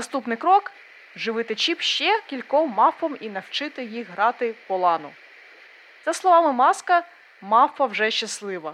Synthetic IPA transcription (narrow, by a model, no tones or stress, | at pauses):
ɐst̪upnɪkɾɔk | ʒɪʋɪt̪ɪt͡ʃipʃt͡ʃɛkʲilʲkɔmːɑfɔminɐwt͡ʃɪt̪ɪjixɦɾɑt̪ɪpɔlˠɑnʊ | t̪sɛslˠɔʋɑmɪmɑskɐ | mɑfɐwʒɛʃt͡ʃɐslˠɪʋɐ